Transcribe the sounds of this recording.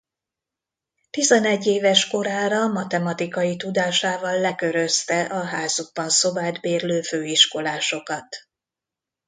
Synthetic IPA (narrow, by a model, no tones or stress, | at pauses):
t̪izɛnɛɟːeːvɛʃko̞ɾaːɾɒmɒt̪ɛmɒt̪ikɒjit̪ud̪aːʃaːvɒlːɛkø̞ɾøst̪ɛʔɒɦaːzuɡ̚bɒnso̞baːd̪beːrløːføːiʃko̞laːʃo̞kɒt̪